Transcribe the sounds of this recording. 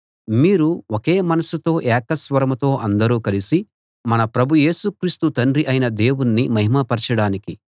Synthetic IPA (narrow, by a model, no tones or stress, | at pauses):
miːɾuoke̞ːmɐnɐsut̪o̞ːʔɛːkɐsʋɐɾɐmɐt̪o̞ːʔɐnd̪ɐɾuːkɐlisi | mɐnɐpɾɐbʱuje̞ːsukɾiːst̪ut̪ɐɳɾiʔɐjnɐd̪e̞ːwunːimɐɦimɐpɐɾt͡ʃɐɽaːniki